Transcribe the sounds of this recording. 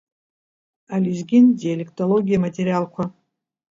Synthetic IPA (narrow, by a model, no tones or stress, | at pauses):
alizɡʲindialʲektʼolo̞ɡʲijamatʲʼeɾijalkʷʰa